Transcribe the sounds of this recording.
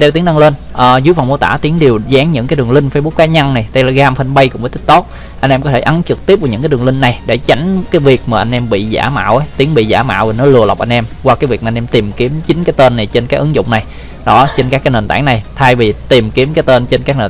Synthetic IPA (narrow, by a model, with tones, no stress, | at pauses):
ɗe˧wt̪i˨˦ənɗa˧ŋle˧nʔəː˨˩zɨ˨˦jva˨˩wmu˧˦t̪a̰ː˧˩t̪i˨˦əŋɗi˨˩əwza˨˦ŋɲɨ̰˧˥ŋkaː˨˦jɗɨ˨˩əŋlï˧ŋ̟fəː˧jɓu˦˥k͡p̚kaː˨˦ɲa˧nna˨˩jɗ̪a˧jlaː˨˩ɣaː˧mfə˧nɓə˧jkʊ̰˧˥ŋ͡məː˨˦t̪ʰï˦˥k̚t̪o˦˥t̚ | ʔa˧jŋ̟ʔɛ˧mkɔ˨˦t̪ʰe˧˩ʔa˨˦nt͡ɕɨ˨˩k̚t̪i˦˥əp̚vːɲɨ̰˧˥kaː˨˦jɗəli˧ŋ̟na˨˩jɗḛ˧˩t͡ɕa˨˦jŋ̟kaː˨˦jvi˨˩ək̚maː˨˩ʔa˧ŋ̟ʔɛ˧mɓḭ˧˨za̰ː˧˩ma̰ː˧˨wʔa˨˦jt̪i˨˦əŋɓḭ˧˨za̰ː˧˩ma̰ː˧˨wvi˨˩nɔ˨˦lɨ˧˩əla˨˩wk͡p̚ʔjn̟ʔɛ˧mkwaː˧kaː˨˦jvi˨˩ək̚aː˨˧nʔɛ˧mt̪i˨˩mki˨˦əmt͡ɕï˨˦ŋ̟kaː˨˦jt̪eː˧nːa˨˩jt͡ɕe˧nkaː˨˦˥kʔɨ̰˨˦ŋzʊ̰˧˨ŋ͡mna˨˩j | ɗɔ˨˦t͡ɕe˧nkaː˦˥kːaː˨˦neː˨˩nt̪a̰ː˧˩ŋna˨˩jt̪ʰaː˧jvi˨˩t̪i˨˩mki˨˦mkaː˨˦jt̪e˧nt͡ɕe˧nkaː˦˥k̚ne˨˩